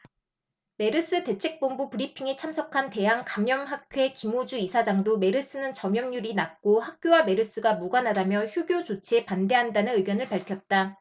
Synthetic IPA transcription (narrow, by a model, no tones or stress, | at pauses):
me̞ɾɯs͈ɯte̞t͡ɕʰe̞k̚p͈ombupɯɾipʰiŋe̞t͡ɕʰamsʰʌkʰante̞ɦaŋkamjʌmɦakk͈ʰowekimod͡ʑuisʰad͡ʑaŋdome̞ɾɯs͈ɯnɯnt͡ɕʌmjʌmɲuɾinak̚k͈ohak̚k͈jowame̞ɾɯs͈ɯɡamuɡanɦadamjʌçjuɡjod͡ʑot͡ɕʰeepande̞ɦandanɯnɯɡjʌnɯɭpaɭkʰjʌt̚t͈a